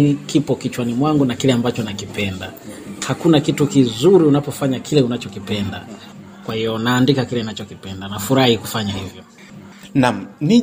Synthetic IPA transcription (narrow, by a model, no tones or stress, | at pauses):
ikipɔkit͡ʃwanimwaŋɡunakilɛambat͡ʃɔnakipɛnda̰hakunakitukizuɾiunapɔfaɲakʰilɛunat͡ʃɔkipɛnda̰ | kwahijɔnaːndikakilɛunat͡ʃɔkipɛndanafuɾahikufaɲahivjɔ | nam̩ni